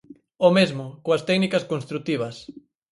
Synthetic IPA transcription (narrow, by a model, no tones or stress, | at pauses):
omezmʊkoɐst̪ɛknikɐskonst̪ɾut̪iβ̞ɐs